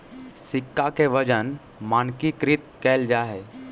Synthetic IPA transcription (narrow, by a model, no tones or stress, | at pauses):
sikːakeʋəd͡ʒən | mankikɾit̪̚kɛld͡ʒaːɦe